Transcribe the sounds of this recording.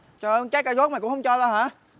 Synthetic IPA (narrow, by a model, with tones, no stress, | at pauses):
t͡ɕɔ˧˩ʔəː˧ŋt͡ɕaː˦˥kːaː˧zɔː˦˥maː˨˩kʊ̰˧˥ŋ͡mhə˧ŋ͡mt͡ɕɔ˧zaː˧haː˨˦